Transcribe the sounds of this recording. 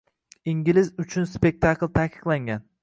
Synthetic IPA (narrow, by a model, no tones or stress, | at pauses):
iŋɡʲilɪzʊt͡ʃʰʊnspe̞k̚ʲt̪ʰaklˠt̪ʰakʰɨ̥qlˠaŋɡʲan